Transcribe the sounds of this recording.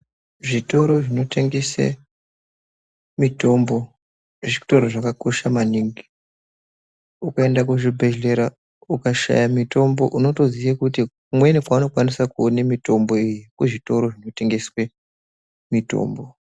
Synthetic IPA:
ʐito̞ɾo̞ʐino̞tʰe̞ŋɡesḛ | mito̞mbo̞ | ʐitoɾoʐakako̞ʃamaniŋɡi | ukaendak̬uʐibʱe̞ʒe̞ɾa | ukaʃa̰jamito̞mbo̞̰ʔuno̞to̞ziakutikumwenekwauno̞kwanisakuonemito̞mbo̞ijikweʐito̞ɾo̞ʐino̞te̞ŋɡe̞swe | mito̰ːmbo̞

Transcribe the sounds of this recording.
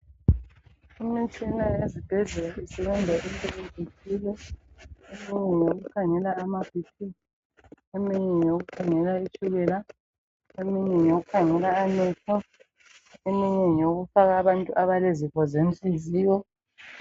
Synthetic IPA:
imit͡ʃʰʼinaezib̥ʱɛɮɛlaisɛβɛndʱaʔimpʼɛlempitʰilɛ | emiɲɛɲoɣukʰaŋɛlaːmab̥ʱitʰi | emiɲɛɲoɣukʰaŋɛlait͡ʃʰʼulɛla | emiɲɛɲoɣukʰaŋɛlaːnɛkʰɔ | emiɲɛɲoɣufaɣaːβantʼṵʔaβaleziɣɔzem̩ɬʼiziːjɔ

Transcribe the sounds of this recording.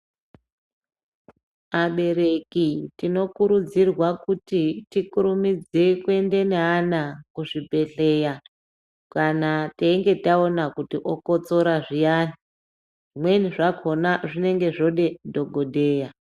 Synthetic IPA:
maɓe̞ɾe̞kitino̞kuɾud͡zirwakutitikuɾumid͡ze̞kwe̞nde̞neɦanakuʐibʱe̞ɬe̞ːja | kanateiŋɡe̞taonakutiʔokot͡so̞ɾaʐijani | ʐʐimwe̞niʐakʰo̞naʐine̞ŋɡe̞ʐo̞ɗe̞dʱo̞ɡʱodʱe̞ːja

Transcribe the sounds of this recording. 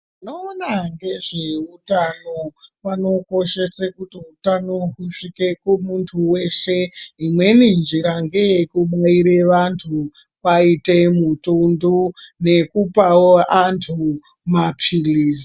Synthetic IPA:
inoːnaŋɡe̞ʐe̞utanopano̞ko̞ʃe̞sekutiutanoɦuʂike̞kumuntʰuwe̞ʃe̞imwe̞nind͡ʒiɾaŋɡe̞jekuɓaiɾeʋantʰu | paite̞mutundune̞kupawoʔantʰu | mapʰiliːsi

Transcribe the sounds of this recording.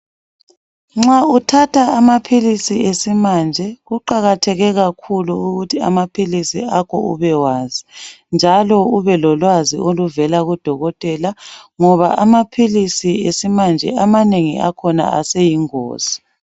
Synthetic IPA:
ŋ͡ǁautʰatʰaːmapʰilisiesimand͡ʒʱɛɣuǃaɣatʰɛɣɛɣakʰuluuɣutʰia̰mapʰilisḭakʰɔ̰ṵβɛwaːzind͡ʒʱalɔuβɛlɔlwazḭʔoluvɛlaɣud̥ʱɔɣɔtʼɛlaŋɔβa̰ʔamapʰilisiesimand͡ʒʱɛ̰ʔamaneŋḭʔa̰kʰɔna̰ʔa̰sejiŋo̰ːz̥i̥

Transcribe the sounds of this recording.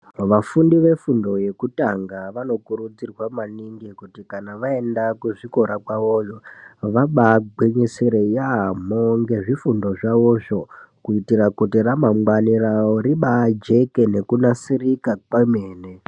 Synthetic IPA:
ʋafundiʋe̞fundo̞je̞kutaŋɡaʋano̞kuɾud͡zirwamaniŋɡikutikanaʋae̞ndakuʐiko̞ɾakwaʋoʐoʋaɓaɡ͡bweɲeseɾejamoŋɡe̞ʐifundo̞ʐaʋoʐo̞kuitirakutiramamwaniraoɾiɓad͡ʒe̞ke̞ne̞kunasirikakameːne

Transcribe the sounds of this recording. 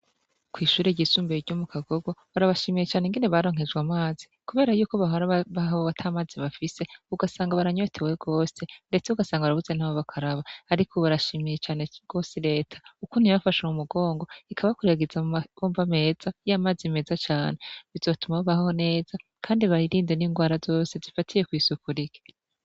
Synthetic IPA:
kwiːʃuːɾeɟisuːmbeiɾɟumukaɡo̞ɡoβaɾaβaʃimijet͡ʃaːneŋɡeneβaɾo̞ːŋ̥e̞d͡ʒɡwamaːzikuβe̞ːɾajuːkoβaɦoɾaβaɦoβatʰaːmaːziβafise̞uɡasaːŋɡaβaɾaɲo̞tʰe̞we̞ɡ̥o̞ːse̞nde̞t͡seuɡasaːŋɡaβaɾavuze̞naːβoβakʰaɾaβaːɾikʰoβaɾaʃiːmije̞t͡ʃaːne̞ɡ̥o̞ːsiɾe̞ːtʰḁukuniβafaʃamumuɡo̞ːŋɡo̞ikʰaβakuɾeɡezaoːmvame̞ːz̥ajamaːzime̞ːzat͡ʃaːne̞βizo̞tumaβoβahho̞ne̞ːz̥a | kʰaːndiβaɾiɾiːndeniːŋɡwaːɾazo̞ːse̞zifatʰije̞kwiːsukuɾiɡe̥

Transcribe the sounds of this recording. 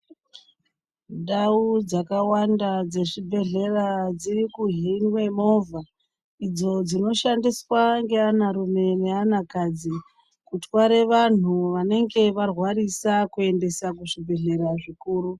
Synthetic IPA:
ɗaud͡zakawandad͡ze̞ʐibʱe̞ɮe̞rad͡zirikuɦinwemo̞vʱa | id͡zo̞d͡zino̞ʃandiswaŋɡe̞anaɾume̞ne̞anakad͡zi | kutwaɾe̞ʋan̤uʋane̞ŋɡe̞ʋarwarisakue̞nde̞sakuʐibʱe̞ɮe̞ɾaʐikuːɾu

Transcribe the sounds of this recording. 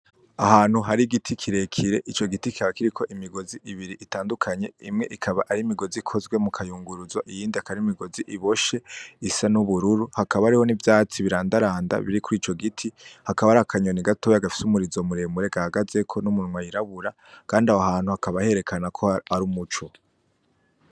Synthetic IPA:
ahaːn̥huɦaɾiɡitʰikʰiɾe̞kʰiɾe̞ʔit͡ʃo̞ɡitiki̥aβakiɾikʰo̞ʔimiɡo̞ziʔiβiɾiʔitaːndukʰaɲe̞ḭmŋe̞ʔikʰaβaʔaɾimiɡo̞zikʰo̞zɡwe̞mukʰajuːŋɡuɾuzwaʔijiːndiakaɾiimiɡo̞ziʔiβo̞ʃe̞isanuβuɾuɾuhakaβaɾiho̞nivjaːt͡siβiɾaːndaɾaːnda̰βiɾikuɾiːt͡ʃo̞ɡitʰihakaβaɾakʰaɲo̞niɡatojaɡafi̥sumuɾizomuɾe̞muɾe̞ɡahaɡaze̞kʰo̞numunwajiɾaβuɾa | kaːndahoɦaːn̥huhakaβahe̞ɾe̞kʰanakʰo̞aɾumut͡ʃu

